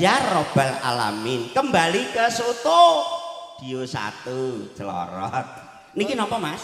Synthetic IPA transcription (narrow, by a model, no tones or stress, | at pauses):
jarob̥ɛla̰la̰mɪnkəmbalikəsot̪o | d̪̥ijosa̰t̪u̥d͡ʒ̥əlɔ̰ɾɔ̰t̪̚ | nikinɔpɔmas